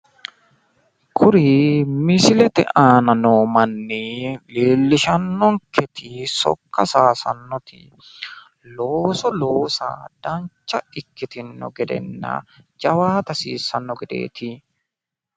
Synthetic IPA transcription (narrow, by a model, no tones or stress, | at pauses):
kʰʊɾimɪsɪlɛt̪ɛ̰ʔaːnɐnoːmɐnːileːlːɪʃɐnːɔŋkʰɛt̪ɪsɔ̰kːɐsaːsɐ̰nːɔt̪ɪ̰ | loːsɔloːsa̰ːd̪̥ɐnt͡ʃːɐɪkːɪt̪ɪnːɔ̰ɡɛd̪ɛ̰nːɐ̰d͡ʒɐwaːt̪ɐsḭːsːɐnːɔɡɛd̪ḛːt̪ɪ